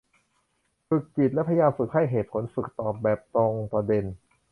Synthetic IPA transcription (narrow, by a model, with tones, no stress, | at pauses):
ɾɯ˨˩kːi˨˩t̪̚lɛ˦˥pʰa˧ja˧jaː˧mfɯ˨˩k̚ha˥˩jɦeː˨˩t̪̚pʰo˩˦nfɯ˨˩k̚t̪ɔː˨˩p̚bɛː˨˩p̚t̪oː˧ŋpɾa˧de˧n